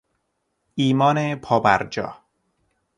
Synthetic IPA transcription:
iːmɒːnepʰɒːbæɾd͡ʒɒ̰ː

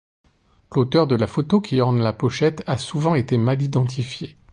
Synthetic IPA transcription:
lot̪œʁd̪əlafot̪okʲiɔʁnlapɔʃɛt̪asuvɑ̃et̪emalid̪ɑ̃t̪̬ifje

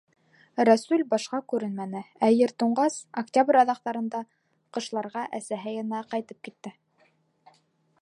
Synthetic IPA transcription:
ɾæsʉlʲbɑʃqɑkʉɾɘnmænɘæjɘɾt̪uɴɢɑsɐkt̪ʲabrʲɑðɑqt̪ɑɾɤ̆nd̪ɑ | qɤ̆ʃlˠɑɾʁɑʔæsæɦæjɑ̆næqɑjt̪ɤp̚kit̪ːɘ

